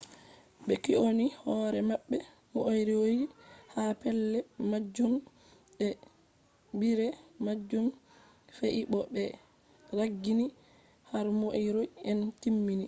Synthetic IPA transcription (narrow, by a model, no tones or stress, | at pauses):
ɓɛkiʔonihɔːɾɛmaɓːɛ | moʔojɾiwojihapɛlːɛmad͡ʒːum | ɛ | biɾɛmad͡ʒːum | feʔiɓɔɓɛ | ɾaɡːini | haɾmoʔjɾojɛntimːini